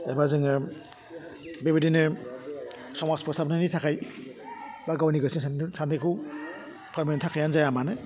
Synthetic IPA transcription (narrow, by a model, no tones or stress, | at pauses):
ebazɯŋɯ | bebedinɯ | sɔmaspʰɔsapnanitʰakʰaj | baɡawniɡɯsiŋsnsantɯkʰu | pʰaɾmentʰakʰajanzajamanɯ